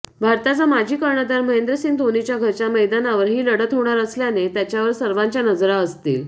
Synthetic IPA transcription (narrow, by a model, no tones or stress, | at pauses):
bʱaɾt̪at͡samad͡ʑʱiːkəɾɳəd̪aɾməɦend̪ɾəsiːŋd̪ʱonit͡ɕjaɡʱəɾt͡ɕaməjd̪anaʋəɾɦiːləɽət̪ɦoɽ̃aɾəsljanet̪jat͡ɕjaʋəɾsəɾʋaɲt͡ɕjanəd͡zɾaəst̪ḭːl